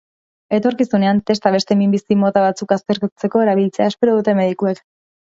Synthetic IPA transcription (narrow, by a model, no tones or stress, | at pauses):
e̞t̪o̞ɾkisune̞ant̪e̞st̪aβe̞st̪e̞mimbisimo̞t̪aβ̞at͡sukast̪e̞ɾkt͡se̞ko̞e̞ɾaβ̞ilt͡se̞aespe̞ɾoðut̪e̞me̞ðikuek